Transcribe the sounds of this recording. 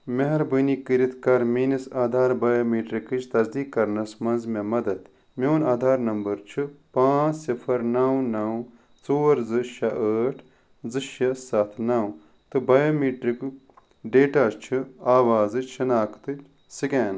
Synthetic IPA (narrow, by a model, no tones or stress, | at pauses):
meɦɐɾbɨnikiɾit̪ʰkɐɾmiːnisaːd̪ʱaːɾbɐːjoːmiːʈɾikɨt͡ʃʰt̪ɐzd̪iːkːɐɾnɐsmɐnzmemɐd̪ɐt̪ | mʲewnaːd̪ʱaːɾnɐmbɐɾt͡ʃʰɨpãːt͡ssipʰɐɾnɐwnɐw | t͡soːɾzɨʃɐʔəːʈʰ | zɨʃɐsɐt̪ʰnɐw | t̪ɨbɐjoːmiːʈɾikɨ | ɖeːʈaːst͡ʃʰɨaːʋaːzɨʃʰɐnaːkʰt̪ɨ | sɨkʲeːn